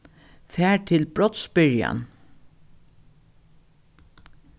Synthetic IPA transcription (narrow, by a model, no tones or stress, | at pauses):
fæːʈʰɪlbɹɔt̪sbɪɹja̰n